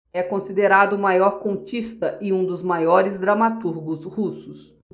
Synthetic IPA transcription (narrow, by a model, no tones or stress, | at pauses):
ɛkõsid̪eɾad̪ʊmajɔɾkõnt͡ʃist̪ɐʔɪ̃ũd̪ʊzmajɔɾɪzd̪ɾɐmat̪uɾɡʊshusʊs